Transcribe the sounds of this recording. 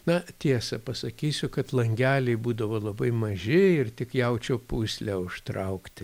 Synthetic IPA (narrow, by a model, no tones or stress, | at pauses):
nɐt̪ʲiɛsɐpɐsɐkʲiːsʲʊkɐt̪lˠɐŋʲɡʲæːlʲɛɪbuːd̪ɐʋoːlˠɐbɐɪmɐʒʲɪɪrt̪ʲɪkjɛʊt͡ʃʲoːpuːsʲlʲæʊʃt̪ɾɐʊkt̪ʲɪ